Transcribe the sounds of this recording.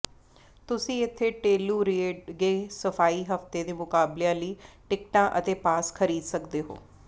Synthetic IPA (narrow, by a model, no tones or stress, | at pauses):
t̪ʊsĩːɪt̪ʰːeːʈeːluːɾeːɖɡeːsəfʰaːiːɦəft̪eːd̪eːmʊkaːbleãːləiːʈɪkʈãːʔət̪eːpaːskʰəɾiːd̪səkd̪eːɦo̰ː